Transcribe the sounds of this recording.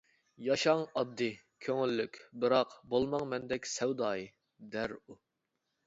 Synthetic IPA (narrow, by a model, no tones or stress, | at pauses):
jɑʃɑŋɑb̚d̪ɨ | kʲʰøŋylːykʲbɨɾɑqbolˠmɑŋmɛnd̪ɛkʲsɛwd̪ɑːji | d̪æɾu